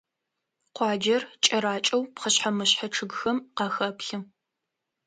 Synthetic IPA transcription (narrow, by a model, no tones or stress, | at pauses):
qʷɑːd͡ʒɐrt͡ʃʼɐɾaːt͡ʃʼɐwpχəɕħamɨɕħɐʈ͡ʂʰɨɡxɐmqɑːxɐpɬɨm